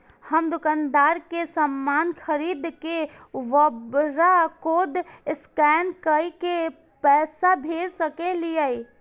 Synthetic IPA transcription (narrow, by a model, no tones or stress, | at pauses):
həmd̪ʊkand̪aɾkesəmːankʰəɾid̪ke | ʋəbɾakod̪ɪskɛnkəike | pɛːsabʱeɾsəkelijəi